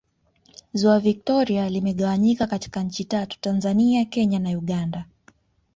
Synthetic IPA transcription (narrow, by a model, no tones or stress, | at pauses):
zuavik̚tɔɾialimɛɠawaɲikakati̥kaɲ̩t͡ʃitatu̥tanzaniakɛɲanauɠanda